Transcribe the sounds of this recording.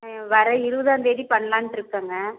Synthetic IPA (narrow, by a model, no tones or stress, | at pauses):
ʋɐɾɐɪɾɯʋɯðaːnd̪eːɽipɐɳːɐlãːnʈɪɾɯkːaːŋɡɐ